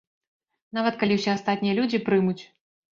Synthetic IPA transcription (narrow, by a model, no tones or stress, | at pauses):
navɐt̪kalʲiwsʲɛast̪at̪ʲnʲijɐlʲud͡zʲipɾɨmut͡sʲ